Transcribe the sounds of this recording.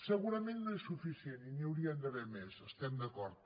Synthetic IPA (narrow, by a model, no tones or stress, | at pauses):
səɣuɾɐmẽnnõɛsufisjeniniɐwɾiand̪əβɛɾmesəst̪ɛmd̪ɐkɔɾt̪̚